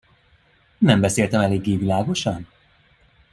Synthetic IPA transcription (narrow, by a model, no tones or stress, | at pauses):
nɛmbɛseːlt̪ɛmɛleːɡːeːvilaːɡo̞ʃɒn